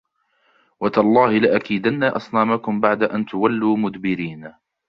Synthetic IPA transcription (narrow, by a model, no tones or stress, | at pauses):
wat̪alˤːɑːhɪlɪʔakiːd̪anːaːʔɑsˤnaːmakʊmbaʕd̪aʔant̪ʊwalːuːmʊd̪bɪɾiːn